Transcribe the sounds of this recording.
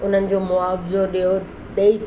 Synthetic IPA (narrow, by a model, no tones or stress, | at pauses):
ʊn̤ənɪ̆d͡ʑoːmʊaːfɪzoɗijo | ɗɐi